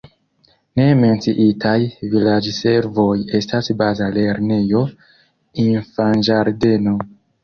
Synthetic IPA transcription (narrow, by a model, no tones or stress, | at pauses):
ne̞me̞nt͡siʔitʰajvilad͡ʒse̞ɾvo̞je̞stasbazale̞ɾne̞jo̞ | infand͡ʒaɾde̞no̞